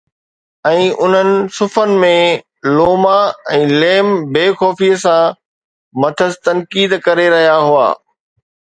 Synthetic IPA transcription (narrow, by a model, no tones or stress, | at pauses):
ɛ̃ːʔʊn̤ənɪ̆sʊfənɪ̆mẽ | loːmaɛ̃ːleːmbeːxɔːfisã | mɐt̪ʰəst̪ɐnkiːd̪kɐɾeɾɐɦijaɦua̰ː